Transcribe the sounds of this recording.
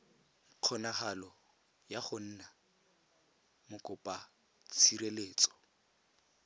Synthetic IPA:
q͡χʰɔnaχalɔ | jaχʊn̩ːna | mʊkʊpʼa | t͡sʰiɾeleːt͡sʼɔ̥

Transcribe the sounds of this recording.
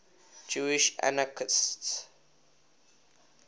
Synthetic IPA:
d͡ʒuiʃa̰nakʰɪsts

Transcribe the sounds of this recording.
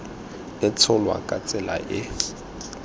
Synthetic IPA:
ɪt͡sʰʊlwa̰kʼat͡sʼɛla̰ʔɪ

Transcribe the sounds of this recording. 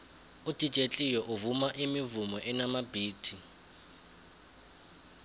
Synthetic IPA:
ud̥ʱʼi̥t͡ʃʼet͡ɬʼijɔʔuvumaʔimivumɔʔɛnamabiːtʰi

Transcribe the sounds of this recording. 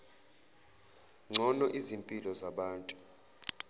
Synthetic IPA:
ŋ͡ǀʱɔnɔʔizimpʼilɔzaɓaːntʼu̥

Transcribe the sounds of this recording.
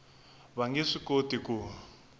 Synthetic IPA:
βaŋɡeʂikotiku

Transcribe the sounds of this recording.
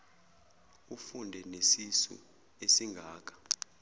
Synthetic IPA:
ufundʱɛnesisṵ | esiŋɡʱaːk̬ʰʼḁ

